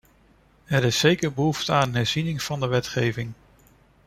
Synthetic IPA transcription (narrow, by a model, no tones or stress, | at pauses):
ɛɾɪsːejkəɹbəɦuftəaːnɦɛɹz̥inɪŋv̥ɑndəʋɛtχejvɪŋ